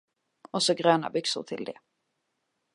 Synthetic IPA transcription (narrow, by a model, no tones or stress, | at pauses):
ɔsɔɡɾøːna̰bʏksʊ̰ɾʈ̪ʰɪ̰ld̪ɛ̰